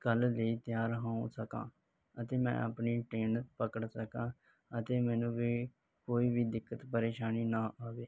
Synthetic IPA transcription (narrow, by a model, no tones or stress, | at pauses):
kəlleiːt̪ɪjaːɾɦãːũsəkã̰ː | ət̪eːmɛ̰̃ːʔə̰pniːʈɾeːnpəkəɽsəkãː | ət̪eːmɛ̃ːnũːbiː | koːiːbiːd̪ɪkːət̪pəɾeːʃaːniːnãːʔaːʋeː